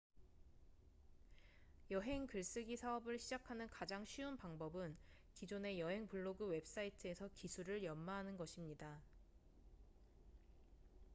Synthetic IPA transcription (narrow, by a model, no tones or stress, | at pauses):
jʌɦe̞ŋkɯɭs͈ɯɡisʰaʌbɯɭɕʰid͡ʑakʰanɯnkad͡ʑaŋɕʰɥiunpaŋbʌbɯn | kid͡ʑone̞jʌɦe̞ŋpuɭːoɡɯwe̞p̚s͈aitʰɯe̞sʰʌkisʰuɾɯɭjʌmːaɦanɯnɡʌɕʰimɲida